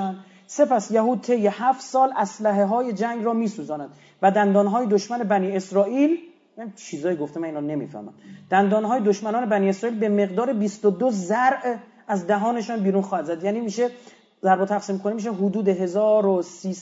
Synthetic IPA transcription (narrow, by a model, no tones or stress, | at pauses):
se̞pæsjæɦuːd̪̚t̪ʰe̞jːehæft̪sɒːlʔæslæɦeɦɒːje̞d͡ʒæŋɡɾɒːmiːsuːzɒːnæd̪̥ | væd̪ænd̪ɒːnɦɒːjed̪oʃmænebæniːe̞sɾɒːʔiːl | jænit͡ʃʰiːzɒːjiɡoft̪emæniːnɔne̞mḭfæ̰hmæ̰nd̪̥d̪̥ænd̪ɒːnɦɒːjed̪oʃmænɒːne̞bæniːe̞sɾɒːiːlbe̞me̞ɣd̪ɒːɾebist̪od̪ozæɾʔ | æzd̪æɦɒːne̞ʃɔːnbiːɾuːnxɒːhæd̪zæd̪jæːniːmiːʃe | zæɾbot̪ʰæɣsiːmkʰonemiːʃ̬eɦod̪uːd̪eɦe̞zɒːɾosiː